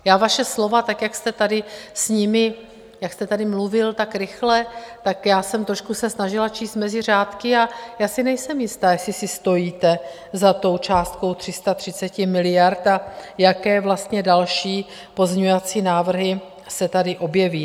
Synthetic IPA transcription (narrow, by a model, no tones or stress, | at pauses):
jaːvaʃɛslo̞vat̪akjakst̪ɛt̪adɪsɲɪmɪ | jakst̪ɛt̪adɪmluvɪlt̪akɾɪxlɛt̪akjaːsɛmt̪ɾoʃkusɛsnaʒɪlat͡ʃiːst̪mɛzɪr̝aːt̪kɪajaːsɪnɛjsɛmjɪst̪aːjɛsɪsɪst̪o̞jiːt̪ɛ | zat̪o̞wt͡ʃaːst̪̚ko̞wt̪r̥ɪst̪at̪r̥ɪt͡sɛcɪmɪlɪjaɾt̪ajakɛːvlast̪ɲɛdalʃiː | po̞zmɲɛɲuvat͡siːnaːvr̩ɦɪ | sɛt̪adɪʔo̞bjɛviː